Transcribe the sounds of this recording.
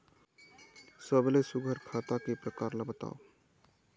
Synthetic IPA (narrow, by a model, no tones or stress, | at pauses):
səblesʊɡʱəɾkʰaːt̪akepɾəkaːɾlabət̪a̰ːo